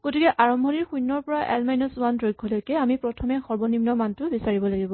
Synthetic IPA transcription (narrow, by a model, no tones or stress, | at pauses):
ɡ̥otikɛʔaɹɔmbʱɔniɹxujnːɔɹpɔɹaʔɛ̰lmajnɔsuandɹojɡʱːɔlojkɛamipɹɔtʰɔmɛxɔɹbɔnimnɔmantʊbisaɹibɔlaɡibɔ